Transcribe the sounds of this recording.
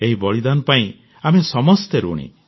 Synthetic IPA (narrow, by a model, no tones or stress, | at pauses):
eɦibɔɭid̪anɔpaĩ | amesɔmɔst̪eɾṵɽ̃ḭ